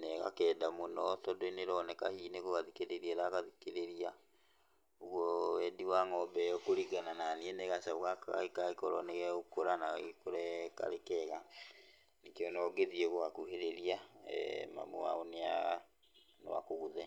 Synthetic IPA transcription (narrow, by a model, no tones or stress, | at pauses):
nɛɣa̰kɛːdamonɔtɔdoineɾɔnɛkahineɣoɣaðikeɾeɾiɛɾaɣaðikeɾeɾia | uɣwɔwɛdiwaŋɔbɛɔkoɾiɡanananiɛnɛɣasauɣaka̰ikaikɔɾɔnɛɣɛukoɾanaɣikoɾɛka̰ɾekɛɣa | nekeɔnɔɡeðieɣohakuheɾeɾia̰ | ma̰mo̰a̰onea̰ | nɔ̰wa̰koɣuðɛ